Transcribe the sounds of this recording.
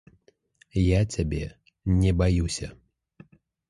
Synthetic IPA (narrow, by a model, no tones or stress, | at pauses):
jat͡sʲabʲɛ | nʲɛbajusʲɐ̰